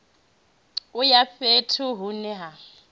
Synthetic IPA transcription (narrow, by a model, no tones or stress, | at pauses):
ʊjapetʰʊɦunɪɦa